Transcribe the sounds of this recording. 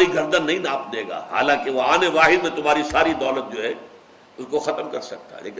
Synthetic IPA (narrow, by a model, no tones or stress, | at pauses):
ɾiɡʱɐɾd̪ənːɐɦĩnaːpd̪eːɡa̰ːha̰ːlãːkeʋoaːneʋaːɦɪd̪mẽt̪ʊmɦaːɾisaːɾid̪ɔːlət̪̚d͡ʒoːɦɛ | ʊskoxɐt̪əmkɐɾsɐk̚t̪a̰ɦlḛːk